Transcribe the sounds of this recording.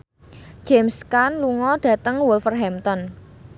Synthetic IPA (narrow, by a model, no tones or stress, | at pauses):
d͡ʒ̥ɛmskanluŋɔɖ̥ä̤t̪əŋwʊlfərɦɛmt̪ɔn